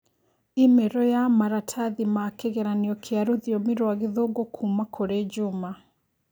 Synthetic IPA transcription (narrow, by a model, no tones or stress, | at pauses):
imeɾɔjamaɾatʰaðimakeɣɛɾaniɔkʰeaɾoðiɔmiɾwaɣiðoːɡokʰumakʰoɾed͡ʒuma